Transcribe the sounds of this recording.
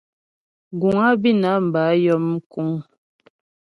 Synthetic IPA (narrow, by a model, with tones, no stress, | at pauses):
ɡu˨ŋa˦bi˦na˨˦m̩˨ba˨˦jɔ˦m˦ku˦ŋ